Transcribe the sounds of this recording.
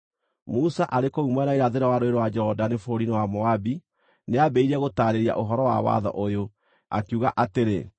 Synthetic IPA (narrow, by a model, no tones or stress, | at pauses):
musaʔaɾekoumwɛnaiɾaðeɾawaɾoeɾowad͡ʒɔdanefoɾinewamɔabi | neabɛiɾɛɣotaːɾeɾia̰ʔoɦɔɾɔwa̰wa̰ðɔ̰ʔojo | a̰kuɣa̰ʔateɾḛ